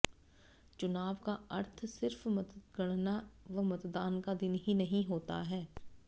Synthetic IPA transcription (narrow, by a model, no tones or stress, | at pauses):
t͡ʃʊnaːʋkaɐɾt̪ʰsɪɾfmɐd̪əd̪ɡɐɽ̃naʋɐmɐt̪d̪aːnkad̪ɪnɦinɐɦĩɦoːt̪a̰ɦɛː